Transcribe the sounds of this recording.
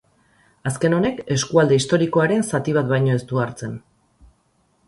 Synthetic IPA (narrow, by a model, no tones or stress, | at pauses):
aske̞no̞ne̞ke̞skuald̪e̞ist̪o̞ɾiko̞aɾe̞nsat̪iβat̪bajɲo̞e̞st̪uaɾt͡se̞n